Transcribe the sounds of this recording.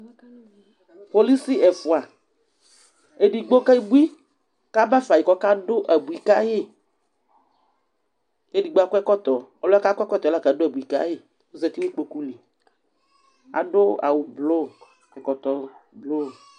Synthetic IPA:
po˨li˦si˦ʔɛ˨fʊ˨a˨ | e˨di˨ɡ͡bo˦ka˦i˦bu˦i˦ | ka˦ba˦fa˨ji˨kɔ˦ka˦dʊ˦ʔa˨bu˨i˨ka˦jɪ˦ | e˦di˨ɡ͡bo˦a˦kʷɛ˦kɔ˦t̪ɔ˨ɔ˦lɔ˦a˦ka˦kʷɛ˦kɔ˦t̪ɔ˨˦la˦˨ka˨˦dʊ˦a˨bu˨i˨ka̰˦jɪ˦ | wo˦zɛ˨t̪i˦wo˦k͡po˨ku˦li˨ | a̰˨ɖʊ˦a̰˨wʊ˨blo˦˨ | kɛ˨kɔ˨t̪ɔ˨blo˦˨

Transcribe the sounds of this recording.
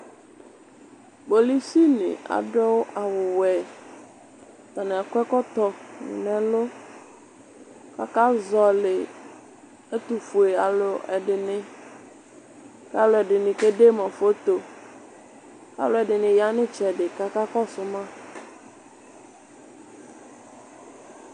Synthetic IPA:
bo˨li˦si˦nɪ̰̃˨a̰˨dɔ˦wʊ˦ʔa˨wʊ˨wɛ˨ | t̪a˨na˨a˨kʷɛ˦kɔ˦t̪ɔ˨nɪ̰̃˨nɛ̃˦lʊ˦ | ka̰˨ka˦zɔ˨lɪ˨ | ɛ˦t̪u˨fu˨e˨a˨lʊ˨ɛ̰˨dɪ˨nɪ̃˦ | ka˦lʊ˨ɛ˨dɪ˨nɪ̃˨ke˦de˦mã˨fo˦t̪o˨ | ka̰˨lʊ˨˦ɛ˨dɪ˨nɪ̃˨ja˦nɪ̃˦t͡ʃɛ˨dɪ˨ka˦ka˦kɔ˦sʊ˦mã˦

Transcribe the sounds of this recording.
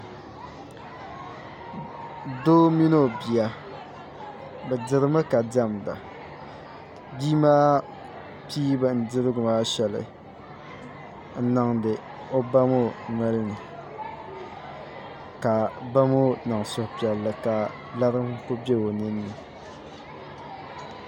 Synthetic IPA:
doː˦mi˦no˦˨bi˨ja˨ | bɛ˨dɪ˨ɾɨ˦mɨ˦ka˨da˦mda̰˨ | diː˦maː˦ | piː˦ba˨n̩˨dɨ˦ɾɨ˦ɡʊ˨maː˦ʃɛ˨lɨ̰˨ | n̩˦na˨ŋdɨ˨ | o˦ba˦mo˦ŋa˦lɨ˦nɨ˨ | ka˨ba˦mo˦na˨ŋ˨sʊ˨hpi˨ɛ˨lːɨ˨ka˨ | la˦ɾɨ˦m˦ko˦bʲe˦o˨nɨ˦nːɨ˨

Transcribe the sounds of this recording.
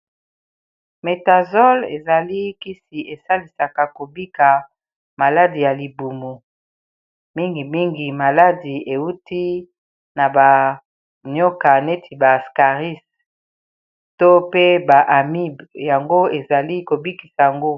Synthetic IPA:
me˨ta˨zɔ˦lḛ˨za˨li˦ki˦si˨ʔe˨sa˦li˨sa˨ka˨ko˨bi˦ka˨ | ma˨la˦di˨ja˨li˨bu˨mu˨ | mi˦ŋɡi˨mi˦ŋɡi˨ma˨la˦di˨e˨wu˦ti˦ | na˨ba˨ | nɔ˦ka˨ne˦tʰi˨ba˨ska˨ʁi˦s | to˦pe˦ba˨ʔa˨mi˦bja˨ŋɡo˦e˨za˨li˦ko˨bi˦ki˨sa˨ja˨ŋɡo˦

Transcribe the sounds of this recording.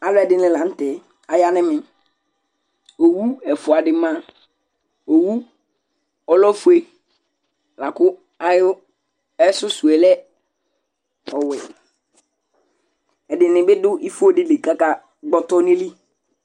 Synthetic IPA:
a˨lʊ˦ɛ˨dɪ˨nɪ̃˨lã˨n̩˦tɛ˨ | a˨ja˦nɪ̃˦mɪ˨ | o˨wu˦ɛ˨fʊ˨a˨dɪ˨mã˦ | o˨wu˦ | ɔ˨lɔ˦fu˦e˦ | la˨kʊ˦ | a˨jʊ˦ | ɛ˦sʊ˦su˨e˨lɛ˦ | ɔ˨wɪ˨ | ɛ˨dɪ˨nɪ̃˨bɪ˦dʊ˦i˦fʊ˦o˦dɪ˦le˨ka˦ka˦ | ɡ͡bɔ˨tɔ˦nɪ̃˦li˦

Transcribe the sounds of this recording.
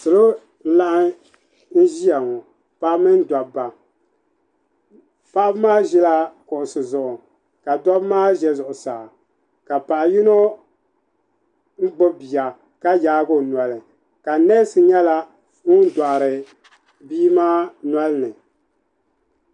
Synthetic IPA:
sɨ˨lo˦ | n̩˦la˦ʔ | n̩˦ʒi˦a˨ŋɔ˨ | pa˦mɨ˦n˦da˨ba˨ | pa˦ʔbmaː˦ʒɛ˦la˦kʊ˨ʔʊ˨sɨ˨zʊ˨ʔʊ˨ | ka˨da˦bmaː˦ʒɛ˦zʊ˨ʔʊ˨saː˨ | ka˨pa˨ʔji˦no˦ | n̩˦ɡ͡bo˦bi˨ja˨ | ka˦jaː˦ɡo˦na˨lɨ˨ | ka˨nɛ˦sɨ˨ɲɛ˦la˦ | ŋʊ˦n˦da˨ɾɨ˨ | biː˦maː˦na˦lɨ˦nɨ˨

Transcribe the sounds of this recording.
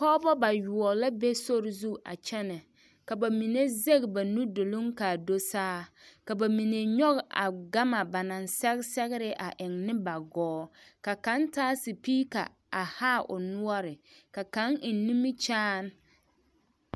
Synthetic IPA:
kɔː˦bɔ˦ba˨ju˨ɔ˨la˦be˦so˦ɾɪ˨zu˦ʔa̰˨t͡ʃɛ˦nɛ˨ | ka˨ba˨mi˨ne˦ze˦ɡba˨nu˦do˨lo˦ŋka˨do˦saː˦ka˨ba˨mi˨ne˨ɲɔ˦ɣʔa̰˨ɡa˦ma˨ba˨na˨nsɛ˦ɣsɛ˦ɣɪ˦ɾɪ˦ʔa˨ʔɪ˨ŋnɪ˦ba˨ɡɔː˨˦ka˨ka˨˦ntaː˦si˨piː˦ka̰˨ | a˨ha˦ʔʊ̰˨nʊ˦ɔ˦ɾɪ˨ka˨ka˦ŋɪ˨nːu˦mi˦t͡ʃaː˦n

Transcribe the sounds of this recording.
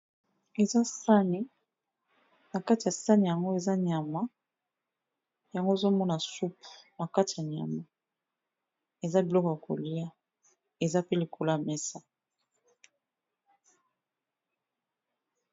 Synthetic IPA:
e˨za˦sa˦ne˦ | na˨ka˦ti˨ja˨sa˦ne˨ja˨ŋɡo˦e˨za˦ɲ˨a˨ma˦ | ja˨ŋɡo˦e˨zo˦mɔ˦na˨su˦pna˨ka˦ti˨a˨ɲa̰˨ma˨ | e˨za˦bi˨lɔ˦kɔ˨ja˨ko̰˨li˦ja˦ | e˨za˦pe˦le˨kʰo˨la˦jmɛ˦sa˦

